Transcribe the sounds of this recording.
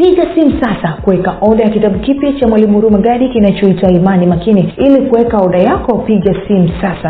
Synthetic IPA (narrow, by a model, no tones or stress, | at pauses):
piɠasim̩sasakuwɛkaʔɔɗajakitaɓukipjat͡ʃamwalimuɾumaɠaɗikinat͡ʃɔitwaimanimakiniilikuwɛkaɔɗajakɔpiɠasim̩sasa